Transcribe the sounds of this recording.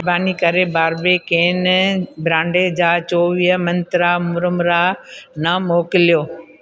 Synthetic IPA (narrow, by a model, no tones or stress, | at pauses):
baːnikɐɾebaːɾbekeːnbɾãːɳɖed͡ʑaːt͡ɕoːʋiːɦəmɐ̃nt̪ɾamʊɾʊmɾaːnɐmoːkɪlijoː